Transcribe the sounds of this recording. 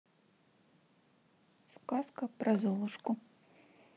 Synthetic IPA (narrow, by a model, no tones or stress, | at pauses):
skaskɐpɾɐzɔlˠɨʂkʊ